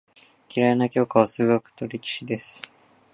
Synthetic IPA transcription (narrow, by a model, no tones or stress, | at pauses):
kʲiɾaenakʲo̞ːkaβasɨːɡakɯ̟̥t̪o̞ɾʲekʲi̥ɕid̪e̞sɨ̥